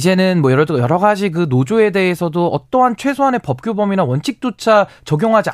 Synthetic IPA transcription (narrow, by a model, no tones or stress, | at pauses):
d͡ʑe̞nɯnmwʌjʌɾʌjʌɾʌɡad͡ʑik̬ɯnod͡ʑue̞de̞esʰʌdoʌt͈ʌɦant͡ɕʰwe̞sʰoɦane̞pʌp̚k͈jobʌminawʌnt͡ɕʰik̚t͈ot͡ɕʰat͡ɕʌɡjoŋɦad͡ʑi